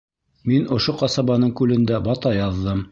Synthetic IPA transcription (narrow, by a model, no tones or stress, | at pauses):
minŏʃoqɑsɑβɑnɤɴkʉlɘ̆nd̪æbɑt̪ɑjɑðːɤm